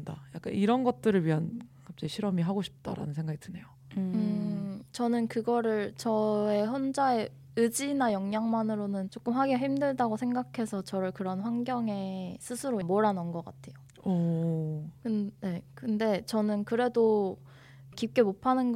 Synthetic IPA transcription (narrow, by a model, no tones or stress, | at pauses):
ndajak͈a̰niɾʌnɡʌt̚t͈ɯɾɯɭɥiɦankʰap̚t͡ɕ͈ʌiɕʰiɾʌmiɦaɡoɕʰi̥p̚t͈a̰ɾa̰nɯnsʰe̞ŋɡaɡitʰɯne̞jo | ɯt͡ɕʌnɯnkɯɡʌɾɯɭt͡ɕʌe̞çond͡ʑae̞ | ɯd͡ʑinajʌŋɲaŋmanɯɾonɯnt͡ɕ͈ok͈ɯmɦaɡeɦimdɯɭdaɡosʰe̞ŋɡakʰe̞sʰʌt͡ɕʌɾɯɭkɯɾʌnɸwaŋɡjʌŋe̞sʰɯsʰɯɾomʌɾanʌnɡʌk͈a̰tʰe̞jo | ʌ | kɯnne̞kɯnde̞t͡ɕʌnɯnkɯɾe̞do | kip̚k͈e̞mopʰanɯnɡ